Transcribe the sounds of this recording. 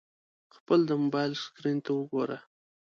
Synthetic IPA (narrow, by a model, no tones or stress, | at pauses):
xpəld̪əmobɑjlskɾint̪awəɡoɾa